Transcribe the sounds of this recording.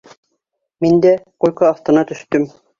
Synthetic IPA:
mind̪ækujʲkɑːft̪ɤ̆nɑt̪ɵ̆ʃt̪ɵm

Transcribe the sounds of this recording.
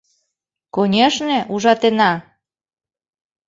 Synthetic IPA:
konʲeʃnĕʔuʒɑt̪enɑ

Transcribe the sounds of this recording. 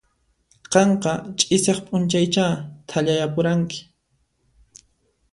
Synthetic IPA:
qɑɴqɑt͡ʃʼɪsɑχpʼʊnt͡ʃajt͡ʃaːt̪ʰaʎajapʊɾaŋkɪ̥

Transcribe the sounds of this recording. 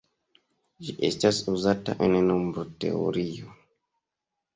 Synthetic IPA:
d͡ʒiʔḛstasuzata̰ʔennombɾote̞̰o̰ɾio

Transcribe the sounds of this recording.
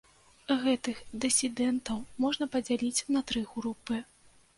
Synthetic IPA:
ɣɛt̪ɨxd̪ɨsʲid̪ɛnt̪ɐwmɔʐnɐpɐd͡zʲalʲit͡sʲnɐt̪ɾɨɣɾupɨ

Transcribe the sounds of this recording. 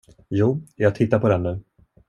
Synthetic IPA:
juːjɑːɡ̚t̪ʰɪt̪ːaɾpʰɔd̪ɛnːʉ̟ː

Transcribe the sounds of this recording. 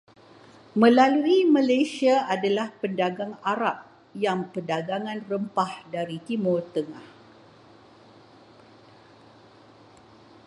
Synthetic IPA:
mə̃laluimãlajsiaadalahpəndaɡaŋaɾap̚ | jaŋpədaɡaŋãnrəmpahdaɾit̪imʊrt̪əŋah

